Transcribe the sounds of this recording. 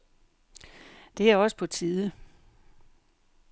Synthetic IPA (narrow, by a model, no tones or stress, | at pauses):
d̥e̝æɐɒ̽sə̥pʰɒ̽t͡sʰiðˠə